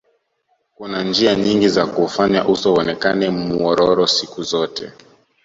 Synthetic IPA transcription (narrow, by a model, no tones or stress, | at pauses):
kunand͡ʒiaɲiŋɡizakufaɲaʔusɔɔnɛkanɛmuɔɾɔɾɔsikuzɔtɛ̰